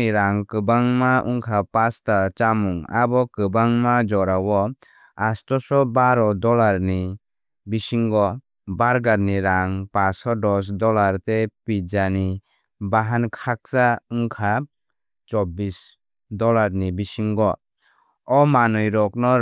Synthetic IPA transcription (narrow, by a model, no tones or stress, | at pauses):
iɾaŋkɯbaŋmaʔṵŋkʰapastat͡ʃamuŋa̰bɔkɯbaŋmad͡ʒɔɾawɔ | astɔsɔbaɾɔdɔlaɾni | bisiŋɡɔ | baɾɡaɾniɾaŋpasɔdɔs̬dɔlaɾtepid͡ʒani | baɦankʰak̚sauŋkʰa | t͡ʃɔbis | dɔlaɾnibisiŋɡɔ | ɔmanɔjɾɔk̚nɔ